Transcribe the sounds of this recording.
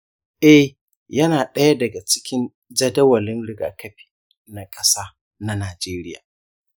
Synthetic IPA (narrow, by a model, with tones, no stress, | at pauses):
ʔɛ˦h | jɐ˦naː˨ɗɐ˦ja˦dɐ˨ɡa˨t͡ʃɪ̥˦kʲɪ˦n | d͡ʒɐ˦dɐ˦wɐ˨lɪ˦nɽɪ˨ɡa̰ː˨kɐ˦ɸi̥ː˨ | na˨kʼɐ˦saː˦ | na˦naː˨d͡ʒeː˦ɾɪ˦ja̰ː˨